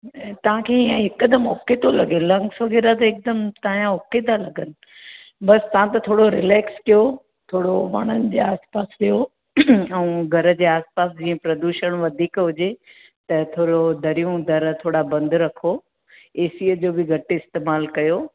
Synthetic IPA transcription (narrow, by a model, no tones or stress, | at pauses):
t̪ɐʋ̤ãkʰeijãɦɪkd̪əmoket̪ʰolɐɡelɐ̃ŋɡsoɡɪɾat̪̬ɐɪk̚d̪ɐmt̪aːjãʊket̪ʰalɐɡənɪ̆ | bɐst̪ɐʋ̤ãt̪ɐt̪ʰoːɽoɾɪlɛːkskijo | t̪ʰoːɽoʋɐ̰ɽ̃ənɪ̆d͡ʑeːaːspaːsɗijo | ɛ̃ũɡʱɐɾə̆d͡ʑeːaːspaːsd͡ʑĩːə̃pɾɐd̪uːʃəɽ̃ʋɐd̪ʱiːkɦʊd͡ʑe | t̪ɐt̪ʰoːɽod̪ʱɐɾijũd̪ʱɐɾt̪ʰoːɽabɐ̃nd̪ɾɐkʰo | eːsiːəd͡ʑoːbɪɡʱɐʈɪst̪eːmaːlkɐjo